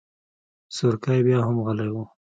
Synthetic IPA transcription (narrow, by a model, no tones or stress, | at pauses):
sʊɾkajbjɑɦamɣalajwu